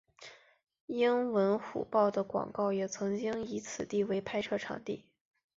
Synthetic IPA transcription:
i˥ŋwə˧˥nxṵ˨˩pɑ˥˩ʊd̪ə˩kwɑ̰˨˩ŋkɑ˥˩ʊjɛ˨˩t͡sʰɤ˧˥ŋt͡ɕi˥ŋi˧˥t͡sʰɹ̩˨˩t̪i˥˩we˧˥ɪpʰa˥ɪʈ͡ʂʰɤ˥˩ʈ͡ʂʰɑ̰˨˩ŋt̪i˥˩

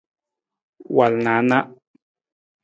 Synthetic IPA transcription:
wa˨lnã˨˦na˦ʔ

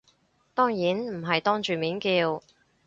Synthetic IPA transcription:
t̪ɔː˥ŋjiː˨˥nm̩˨˩ɦɐ˨jt̪ɔː˥ŋt͡ʃyː˨miː˨˥nkiː˧w

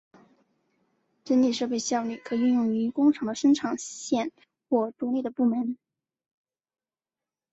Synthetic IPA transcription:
ʈ͡ʂə˥nli˥˩ʂɤ˥˧p̬e˥˧ɪɕjɑ˥˧ʊly˥˩kʰɤ˧˥y˥˧njʊ˥˩ŋy˧˥kʊ˥ŋʈ͡ʂʰɑ˧˥ŋd̪ə˧ʂə˥ŋʈ͡ʂʰɑ˨˩ŋɕjɛ˥˧n | xwɔ˥˩ʈ͡ʂ̪u˧˥li˥˩d̪ə˩pu˥˩mə˧˥n

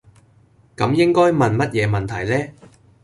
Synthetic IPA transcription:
kɐ˨˧˥mjɪ˥ŋkɔː˥jmɐ˨nmɐ˥t̚jɛː˨˧mɐ˨nt̪ʰɐ˨˩jlɛː˥

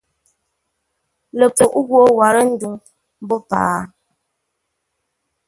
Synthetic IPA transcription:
lə˨po˨ʔɣwo˦wa˨ɾə˦n̩˦du˨ŋ | m˦bɔ˦pa̰ː˨˦

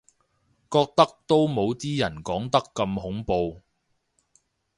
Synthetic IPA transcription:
kɔː˧k̚t̪ɐ˥k̚t̪o˥wmo˨˧wt̪iː˥jɐ˨˩nkɔː˨˥ŋt̪ɐ˥kːɐ˧mɦʊ˨˥ŋpo˧w

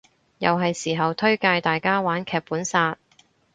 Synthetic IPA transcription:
jɐ˨wɦɐ˨jsiː˨˩ɦɐ˨wt̪ʰɵ˥ɥkaː˧jt̪aː˨jkaː˥waː˨˥nkʰɛː˨˧k̚puː˨˥nsaː˧t̚

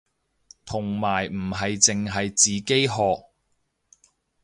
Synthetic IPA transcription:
t̪ʰʊ˨˩ŋmaː˨˩jm̩˨˩ɦɐ˨jt͡sɪ˨ŋɦɐ˨jt͡siː˨ke˥jɦɔː˨k̚

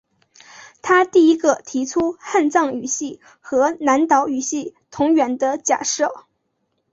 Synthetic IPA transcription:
t̪ʰa˥t̪i˥˩i˧˥ɡə˥˧t̪ʰi˧˥ʈ͡ʂʰu˥xa˥˧nt͡sɑ˥˩ŋy˨˩ɕi˥˩ | xɤ˧˥na˧˥nt̪ɑ˧˥ʊy˨˩ɕi˥˩t̪ʰʊ˧˥ŋɥɛ˨˩nd̪ə˧t͡ɕja̰˨˩ʂɤ˥˩

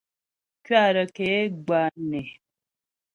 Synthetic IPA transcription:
kɥa˦˨ɾə˨ke˨˦ɡ͡ba˨nɛ˨

